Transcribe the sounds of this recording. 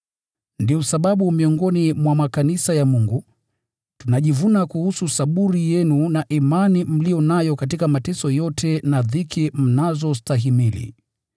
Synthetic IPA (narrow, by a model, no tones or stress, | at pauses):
ndiusaɓaɓumiɔŋɡɔnimwamakanisajamuŋɡu | tunaʄivunakuhususaɓuɾijɛnunaʔimanim̩lijɔnajɔkatikamatɛsɔjɔtʰɛnaðikim̩nazɔstaɦimilḭ